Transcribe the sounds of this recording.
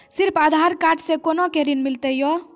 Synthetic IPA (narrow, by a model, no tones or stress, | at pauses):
siɾpʰad̪ʱaɾkaʈsẽkonokeɾinmilt̪əjo